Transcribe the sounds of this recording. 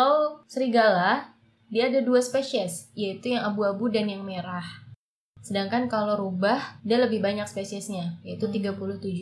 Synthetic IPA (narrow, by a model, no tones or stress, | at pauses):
awsəɾiɡalah | diaːdaduaspesiɛsjait̪ujaŋabuabudanjaŋmeɾah | sədaŋkankaloɾubahdaləbɪhbaɲak̚spesiɛsɲajait̪ut̪iɡapulʊht̪ud͡ʒʊ